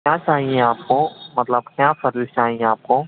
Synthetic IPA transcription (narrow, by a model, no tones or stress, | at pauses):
kjaːt͡ʃaːɦiẽaːp̚komɐt̪ləbkjaːsɐɾlt͡ʃaːɦĩẽaːp̚ko